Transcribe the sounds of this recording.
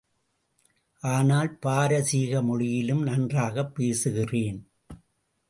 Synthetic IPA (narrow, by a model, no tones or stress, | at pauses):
ʔaːnaːlpaːɾɐsiːɣɐmɔɻɪjɪlɯmnɐndraːɣɐpːeːsɯɣɪreːn